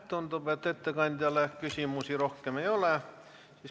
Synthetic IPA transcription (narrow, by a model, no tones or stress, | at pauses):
t̪t̪unt̪upeˑt̪ːet̪ːækɑnʲd̪ʲɑleˑkysiˑmusiːrohkemeioleˑ | sis